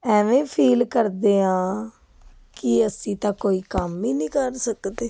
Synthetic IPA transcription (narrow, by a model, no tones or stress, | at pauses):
ɛːʋẽːpʰiːlkəɾd̪eːãː | kɪəsĩːt̪ãːkoːiːkəmiːnĩːkəɾsəkd̪eː